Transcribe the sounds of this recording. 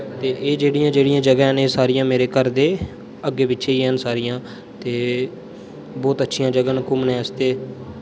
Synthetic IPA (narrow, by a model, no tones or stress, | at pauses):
t̪eːʔeːd͡ʒeːɽɪjãːd͡ʒeːɽɪjãːd͡ʒəɡɛneːsaːɾijãːmeːɾeːkəɾd̪eː | əɡːeːpɪtːʃʰeːiːɦɛːnsaːɾijãː | t̪eː | bɔːt̪ətːʃʰɪjãːd͡ʒəɡaːnkʊmnɛ̃ːəst̪eː